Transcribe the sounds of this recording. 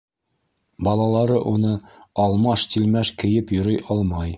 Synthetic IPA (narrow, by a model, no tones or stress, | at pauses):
bɒlˠɑlˠɑɾɤʔunɤɒlˠmɑʃt̪ilmæʃkɘ̆jɘpjŏɾɤjʔɒlˠmɑj